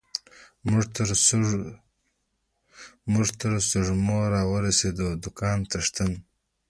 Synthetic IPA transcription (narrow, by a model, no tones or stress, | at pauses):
mʊʐɾ | mʊʐt̪əɾsʊʐmoɾɑwəɾased̪od̪ʊkɑːnt̪aʂt̪ən